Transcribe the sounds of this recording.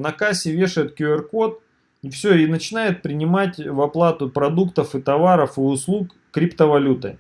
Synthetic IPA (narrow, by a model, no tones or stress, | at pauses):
nɐkasʲɪvʲe̞ʂɨt̪̚kʲuɛrko̞t̪̚ | ifsʲɵinət͡ɕɪnajɪt̪̚pɾʲɪnʲɪmatʲvɐplˠat̪ʊpɾɐd̪ukt̪əfɨt̪ɐvaɾəfɨʊslˠukːɾʲɪpt̪əvɐlʲut̪ɨ